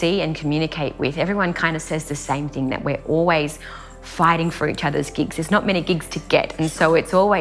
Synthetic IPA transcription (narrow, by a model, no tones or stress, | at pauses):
iɨ̃nkʰmjʉñɨkʰeɪʔ̚wɪ̰ðɛvɹiwʌ̃nkʰãɪ̃ndɨ̥sɛzðɨsẽɪ̃mθɪ̃ŋðɨ̰ʔ̚wɪɹʔɔlˠwiz̥ | faɪɾɪ̃ŋfə˞ḭt͡ʃʌðə̰˞zɡɪɡz̥ðɨznət̚mɛɾ̃iɡɪɡz̥tʰɨɡɛ̰ɾɨ̃n̩soʊɨtsɔlˠwi